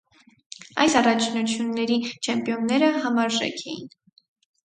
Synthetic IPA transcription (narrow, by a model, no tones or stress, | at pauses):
ɑ̰jsɑrɑt͡ʃʰnut͡sʰjunːɛɾit͡ʃʰɛmpjɔnːɛɾəɦɑmɑɾʒɛ̰kʰɛjḭn